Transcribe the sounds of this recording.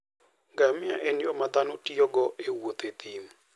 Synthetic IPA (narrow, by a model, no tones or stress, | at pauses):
ɡamɪaʔenjɔmad̪anotiɔɡɔʔewot̪et̪im